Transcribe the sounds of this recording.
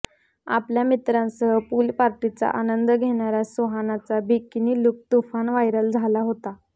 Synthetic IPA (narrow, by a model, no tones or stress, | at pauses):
a̰pljamit̪ɾãnsəɦəpulpaɾʈit͡sa̰ʔanənd̪əɡʱeɽ̃aɾjasuɦanat͡sabikːiniːluk̚t̪ufanʋajɾəld͡zʱalaɦot̪a